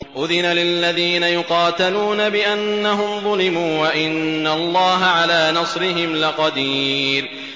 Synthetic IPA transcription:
ʔʊðɪnalɪlːaðiːnajʊqɑːt̪aluːnabɪʔanːaɦʊmðˤʊlɪmuːwaʔɪnːalˤːɑːɦaʕalaːnɑsˤɾɪɦɪmlɪqɑd̪iːl

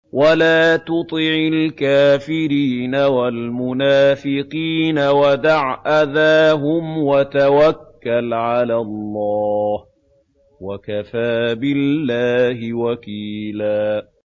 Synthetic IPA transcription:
walaːt̪ʊt̪ˤɪʕɪlkaːfɪɾiːnawalmʊnaːfɪqiːnawad̪aʕʔaðaːɦʊmwat̪awakːalʕalalˤːɑːh | wakafaːbɪlːaːhɪwakiːlaː

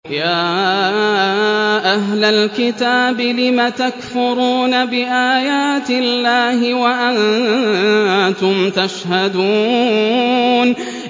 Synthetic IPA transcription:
jaː | ʔaɦlalkɪt̪aːbɪlɪmat̪akfʊɾuːnabɪʔaːjaːt̪ɪlːaːhɪwaʔan | t̪ʊmt̪aʃhad̪uː | n

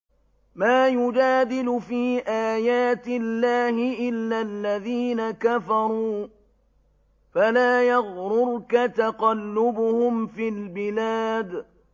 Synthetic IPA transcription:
maːjʊd͡ʒaːd̪ɪlʊfiːʔaːjaːt̪ɪlːaːhɪʔɪlːaːlːaðiːnakafɑɾˤuː | falaːjaɣɾʊɾkat̪aqɑlːʊbʊhʊmfiːlbɪlaːd̪

